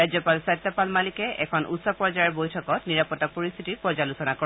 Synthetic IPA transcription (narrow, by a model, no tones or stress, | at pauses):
ajzɔpalsat̪ːɔpalmalikɛʔɛkʰɔnʔṵtsɔpɔzajɔɹbojtʰɔkɔtniɹapɔtːɔk̚poɹist̪ʰitipɔzalusɔnakɔ